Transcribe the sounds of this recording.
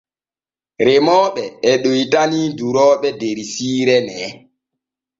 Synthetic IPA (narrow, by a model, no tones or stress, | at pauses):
ɾemɔːɓɛːɗojtaniduɾɔːɓɛdeɾisiːɾɛnɛ